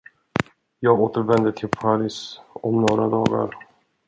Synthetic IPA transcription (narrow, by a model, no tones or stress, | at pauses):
jɑːɡoːt̪əɾvɛnd̪ət̪ʰɪlpʰaɾisɔmnoːɾad̪ɑːɡa̰ɾ